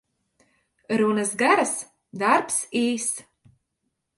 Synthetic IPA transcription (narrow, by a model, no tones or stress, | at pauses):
ɾunasɡaɾas | d̪aɾpsiːs